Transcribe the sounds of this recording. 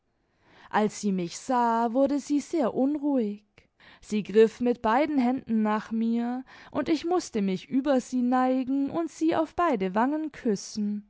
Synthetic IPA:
ʔalsz̥iːmɪçz̥aːvʊɐdəziːzeːɐʔʊnʁuːɪç | z̥iːɡʁɪfmɪt̚b̥aɪdn̩ɦɛndn̩naːχmiːɐʔʊntɪçmʊstəmɪçʔyːbɐziːnaɪɡŋ̩ʔʊntz̥iːʔa̰ʊfb̥aɪdəvaŋənkʰʏsn̩

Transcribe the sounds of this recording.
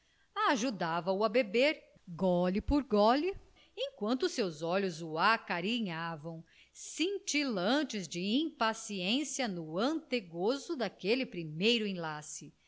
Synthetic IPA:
aʒud̪avɐʊɐbebeɾ | ɡɔlipoɾɡɔli | ẽj̃kwɐ̃nt̪ʊsewzɔʎʊzʊakaɾiɲavɐ̃w̃ | sĩt͡ʃilɐ̃t͡ʃɪzd͡ʒɪĩpasiẽsiɐnʊɐ̃nt̪eɡozʊd̪akelɪpɾimejɾʊẽlasɪ

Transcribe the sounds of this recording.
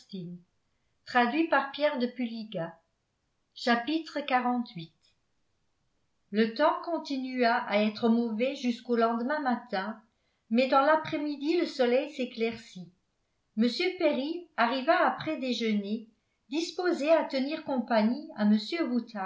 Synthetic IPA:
t̪in | t̪χad̪ɥipaʁpjɛʁd̪əpyliɡa | ʃapit̪χəkaʁɑ̃t̪ɥit̪ | lət̪ɑ̃kɔ̃t̪inyaʔaɛt̪χəmɔvɛʒyskolɑ̃d̪əmɛ̃mat̪ɛ̃ | mɛd̪ɑ̃lapχɛmid̪iləsɔlɛjseklɛʁsi | məsjøpeʁiaʁivaːpχɛd̪eʒəne | d̪ispozeat̪əniːʁkɔ̃paɲiaməsjøʁut̪ʰa

